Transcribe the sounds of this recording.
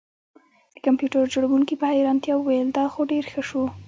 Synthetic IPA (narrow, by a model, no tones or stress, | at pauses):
d̪əkampjuʈəɾd͡ʒoɽawuŋkipəhajɾɑnt̪jɑwwajəld̪ɑxoɖeɾxəʃu